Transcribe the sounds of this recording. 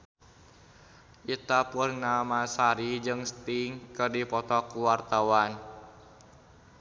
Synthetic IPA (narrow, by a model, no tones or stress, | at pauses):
ʔit̪apʊrːamasaɾid͡ʒɨŋst̪iŋkərdipɔt̪ɔkuwart̪awan